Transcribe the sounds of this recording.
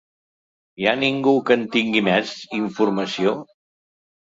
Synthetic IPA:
ianiŋɡukənt̪iŋɡimɛziɱfuɾməsio

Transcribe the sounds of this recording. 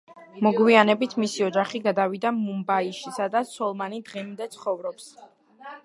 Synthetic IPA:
mɔɡwianɛbit̪ʰmisiɔd͡ʒaχiɡad̪avid̪amumbaiʃisad̪asɔlˠmanid̪ʁimd̪ɛt̪sʰχɔvɾɔps

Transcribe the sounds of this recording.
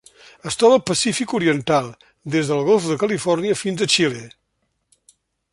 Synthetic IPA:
əst̪ɾɔβəlˠpəsifikuɾiənt̪alˠ | d̪ezðəlˠɣɔlˠfðəkəlifɔrniəfinzət͡ʃile

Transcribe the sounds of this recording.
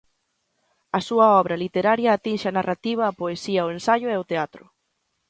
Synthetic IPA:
ɐsuɐɔβɾɐlit̪eɾaɾjɐːt̪inʃɪɐnarat̪iβ̞ɐːpoesiɐʊensaʎʊeʊt̪eat̪ɾʊ̰

